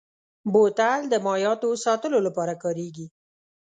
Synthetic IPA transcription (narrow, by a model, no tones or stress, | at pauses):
bot̪ald̪əmɑjɑt̪osɑt̪əlolapɑɾakɑɾeɡi